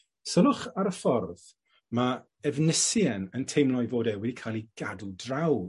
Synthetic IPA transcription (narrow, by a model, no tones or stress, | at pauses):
səlʊχaɾəfɔrð | ma | ɛvnɪsjɛnəntʰejmlˠɔjvoːdɛwɛdikʰaːlˠiɡ̥adudraw